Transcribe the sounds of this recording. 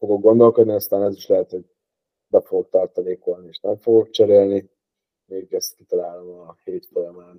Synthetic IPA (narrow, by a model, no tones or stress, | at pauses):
foɡok̚ɡo̞nd̪o̞lkod̪niɒst̪aːnɛziʃlɛɦɛt̪ho̞ɟ̚ | bɛfoɡok̚t̪ɒrt̪ɒnikolnieːʃnɛɱfo̞ɡok̚t͡ʃɛɾeːlni | meːkːɛst̪kit̪ɒlaːlomɒheːt̪folɛmaːn